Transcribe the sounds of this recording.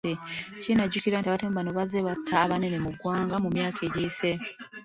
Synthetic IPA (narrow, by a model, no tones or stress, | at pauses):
ecinaɟuciɾaːntiaβatemβanoβazeβatʰːaβanenemuɡwaːŋɡamumjaːkʰeɟiːse